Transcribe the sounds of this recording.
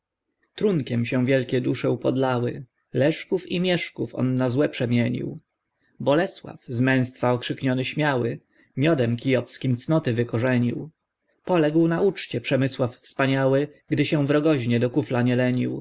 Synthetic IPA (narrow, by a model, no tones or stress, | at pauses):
t̪ɾuŋkʲɛmɕɛ̃w̃vʲjɛlkʲɛd̪uʂɛupɔd̪lawɘ | lɛʂkufimʲjɛʂkufɔ̰nːazwɛpʂɛmʲjɛɲḭw | bɔlɛswa̰fzmɛ̃w̃st̪faɔkʂɘkɲɔnɘɕmʲjawɘ | mʲjɔd̪ɛmkʲijɔfskʲimt̪snɔt̪ɘvɘkɔʐɛɲiw | pɔlɛɡwnaʔut͡ʂt͡ɕɛpʂɛmɘswaffspaɲawɘɡd̪ɘɕɛ̃vɾɔɡɔʑɲɛd̪ɔkuflaɲɛlɛɲḭw